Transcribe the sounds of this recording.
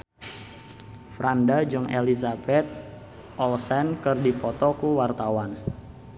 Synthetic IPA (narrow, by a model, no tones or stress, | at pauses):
fɾandad͡ʒɔŋḛlizabɛt̪̚ | ʔɔlsɛnkərdipɔt̪ɔkuwart̪awan